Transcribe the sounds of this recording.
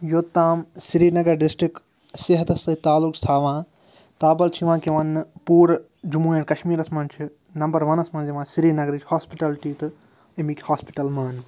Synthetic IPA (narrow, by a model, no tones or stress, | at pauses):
joːt̪ːaːmsiɾiːnɐɡɐɾɖɪsʈɾik | seɦɐt̪ɐst̪ɐt̪aːlukst̪ʰaːʋãː | t̪aːbɐlt͡ʃʰiʋãːkiʋɐnpuːɾ | d͡ʒumuːẽʈkɐʃmiːɾɐsmɐnt͡ʃʰi | nɐmbɐɾʋɐnɐsmɐnziʋãːsiɾiːnɐɡɾid͡ʒhaːspiʈɐlʈiːt̪ɨ | imikʲhaːspiʈɐlmaːn